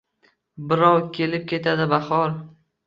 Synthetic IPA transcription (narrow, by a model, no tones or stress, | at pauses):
bɪɾɒwkʲʰe̞lɪp̚kʲʰe̞t̪ʰad̪ɪbahɒl